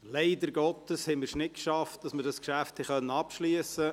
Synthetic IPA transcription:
leɪdəɾɡɔtəshɛməɾʃnɪtkʃɑft̚d̥ɑsməɾdɑskʃæfthɛχœnːəɑpʃliəsə

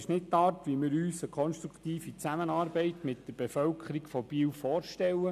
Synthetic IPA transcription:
ʃnɪtːɑːrtʋimɪːɾyːsəkʰɔnʃt̪ɾukt̪iːfit͡sæmənɑːɾbɛɪtmɪt̚d̥əɾb̥ɛfœlkʰəɾikfɔb̥iːwfɔːɾʃtɛlːə

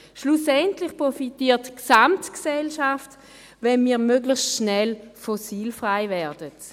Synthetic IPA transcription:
ʃlusɛntlɪχpʁɔfitiːɐtksamtksɛlʃaft | vɛnmiːʁmøɡlɪxstʃnɛlfɔsiːlfʁaɪvɛʁd̥ət

